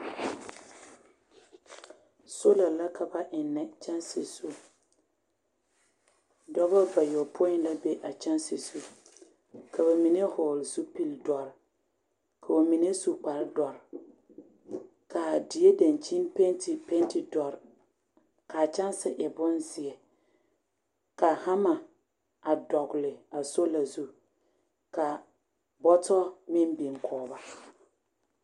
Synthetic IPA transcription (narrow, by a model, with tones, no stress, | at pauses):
so˦la˨la˦kʰa˨ba˦ʔɪ˨nːɛ˨t͡ʃa˦nse˨su˦ | dɔ˦ba˦ba˨jo˨pʰo˦ɪ˦n˦la˦be˦ʔa˨t͡ʃa˦nse˨su˦ | kʰa˨ba˨mi˨ne˦hɔː˨lsu˦pi˦ldɔ˨ɾɪ˨ | kʰa˨o˨mi˨ne˦su˨k͡pa˨ɾɪ˦dɔ˨ɾɪ˨ | kʰa˨dɪ˨e˦da˨nt͡ʃi˦npe˦ntɪ˨pe˦ntɪ˨dɔ˨ɾɪ˨ | ka˨t͡ʃa˦n˦sɪ˦ʔɛ˨bʊ˦nzɪ˨ɛ˨ | ka˨ha˦ma˨ | a˨dɔ˨ɡʊ˨lɪ˨a˨so˦la˨zu˦ | ka˨ | bɔ˦tɔ˦mɪ˦nbi˨ŋkʰɔː˨ba˨